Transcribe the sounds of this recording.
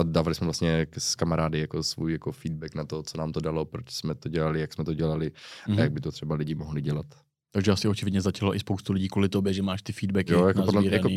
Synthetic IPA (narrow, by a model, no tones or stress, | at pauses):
adaːvalɪsmɛvlast̪ɲɛkskamaɾaːdɪjakosvṵːjjakofiːd̪̚bɛknat̪ot͡sonaːmt̪odalopɾot͡ʃsmɛt̪oɟɛlalɪjaksmɛt̪oɟɛlalɪajaɡ̚bɪt̪ot̪r̝̥ɛbalɪɟɪmoɦlɪɟɛlat̪ | t̪aɡʒɛasɪʔot͡ʃɪvɪdɲɛzacaloʔɪspowst̪ulɪɟiːkuːlɪt̪objɛʒɛmaːʃt̪ɪfiːd̪bɛkɪjojakoodlɛjako